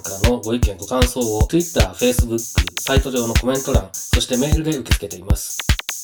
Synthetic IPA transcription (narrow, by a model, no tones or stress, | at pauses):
kaanoɡo̞ikẽ̞ŋɡo̞kãɰ̃so̞ːot̪ɯ̟it̪ːaːɸe̞ːsɨbɯ̟kːɯ̰sait̪o̞ʑo̞ːno̞ko̞mẽ̞nt̪o̞ɾãŋ̃so̞ɕi̥t̪e̞me̞ːɾɯ̟d̪e̞ɯ̟ke̞t͡sɨ̥ke̞t̪e̞imasɨ̥